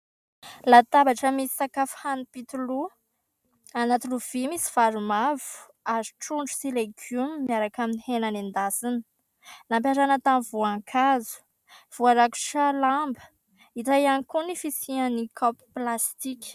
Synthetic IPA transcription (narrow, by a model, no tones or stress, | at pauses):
lat̪abaʈ͡ʂəmisi̥sakafhanipit̪ulu | anat̪uluv̥imisi̥vaɾumavu̥ | aziʈ͡ʂuɳɖ͡ʐu̥sileɡumːiaɾakaminihenanind̪asinə̥ | nampjaɾanət̪anvuaŋkʰazu̥ | v̥uaɾaku̥ʃalambə̥ | iɾajanikunifisianikʰɔpi̥plast̪ikʲ